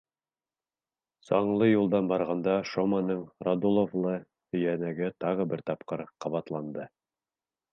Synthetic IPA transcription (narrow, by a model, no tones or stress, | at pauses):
sɑɴlˠɤjulˠd̪ɑnbɑɾʁɑnd̪ɑʃomɑnɤɴrad̪ulˠovlˠɤ | hɵ̆jænæɡɘt̪ɑʁɤbɘɾt̪ɑp̚qɤɾqɑβɑt̪lˠɑnd̪ɤ